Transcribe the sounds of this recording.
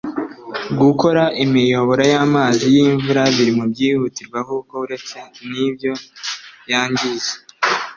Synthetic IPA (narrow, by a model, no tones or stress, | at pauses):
ɡuko̞ɾaʔimijo̞βo̞ɾajaːmaːzijiːɱvuɾaβiɾimubɟiːhutiɾɡwaɦukouɾet͡senibjo̞jaːɲɟize